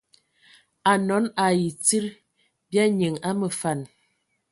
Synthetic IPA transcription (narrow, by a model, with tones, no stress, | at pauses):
a˨nɔ˨˦na˨ji˨t͡si˦ɾ | bja˦ɲə˨ŋa˦mə˨fa˨n